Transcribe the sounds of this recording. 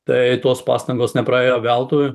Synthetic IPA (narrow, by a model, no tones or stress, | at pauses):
t̪ɐɪt̪oːspɑ̰ːst̪ɐŋɡoːsnʲɛpɾɐeːjoːʋʲɛlˠt̪oːjʊ